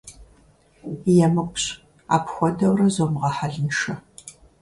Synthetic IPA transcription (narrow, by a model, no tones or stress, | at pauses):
jɛmɨqʷɕ | a̰ːpxʷɔdɐwrɐzomʁɐħaɮɨnʃɐ